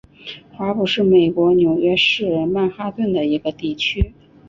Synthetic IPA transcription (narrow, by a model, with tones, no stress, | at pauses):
xa˧˥pu˨˩ʂɻ̩˥˩me˨˩ɪkwɔ˧˥njo˨˩ʊɥɛ˥ʂɻ̩˥˩ma˥˩nxa˥t̪wə˥˩nd̪ə˩i˧˥ɡə˧t̪i˥˩t͡ɕʰy˥